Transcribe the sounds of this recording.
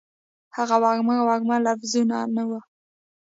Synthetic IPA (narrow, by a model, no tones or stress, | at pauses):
haɣawɑɡmawɑɡmalafzunanawa